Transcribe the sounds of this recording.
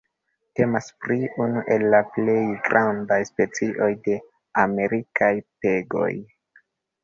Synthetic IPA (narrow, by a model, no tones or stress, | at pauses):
te̞maspɾiunuʔe̞lːaple̞jɡɾʔandajspe̞t͡siʔo̞jde̞ | ame̞ɾikʰajpe̞ɡo̞̰j